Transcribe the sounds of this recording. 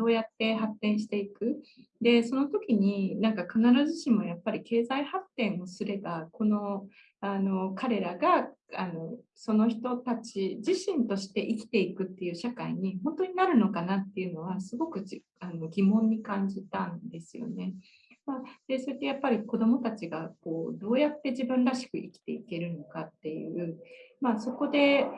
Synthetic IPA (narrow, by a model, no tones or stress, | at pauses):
do̞ːjat̪ːe̞ɦat̪ːẽ̞ɰ̃ɕ̬i̥t̪e̞ikɯ̟ | d̪e̞so̞no̞t̪o̞kʲiɲ̟inãŋkakanaɾaʑiɕĩmmo̞japːaɾʲike̞ːzaihat̪ːẽ̞ɰ̃o̞sɨɾe̞bako̞no̞ | ano̞kaɾe̞ɾaɡa | ano̞ | so̞no̞çi̥t̪o̞t̪at͡ɕid͡ʑiɕĩnt̪o̞ɕi̥t̪e̞ʔikʲi̥t̪e̞ikɯ̟t̪ːe̞jɯ̟ːɕakaiɲ̟ihõ̞nt̪o̞ɲ̟inaɾɯ̟no̞kanat̪ːe̞jɯ̟no̞β̞asɨɡo̞kɯ̟ | ano̞ɡʲimõ̞ɲ̟ːikãɲ̟d͡ʑit̪ãnd̪e̞sɨjo̞̰ne̞ | mad̪̥e̞so̞ɾet̪ːe̞japːaɾʲiko̞d̪o̞mo̞t̪at͡ɕiɡako̞ːd̪o̞ːjat̪ːe̞d͡ʑibɯ̟̃nɾaɕi̥kɯ̟ʔikʲi̥t̪e̞ike̞ɾɯ̟no̞kat̪ːe̞jɯ̰ɯ̟maso̞ko̞d̪e̞